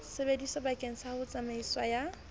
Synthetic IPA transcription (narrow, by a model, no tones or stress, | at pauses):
sebedisɔbakʼeŋ̩sahʊt͡sʼameiswa̰ja